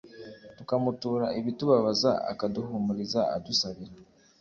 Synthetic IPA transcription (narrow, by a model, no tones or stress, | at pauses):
tukamutuːɾaʔiβituβaβaza̰a̰kaduhumuɾizaa̰dusaβiɾa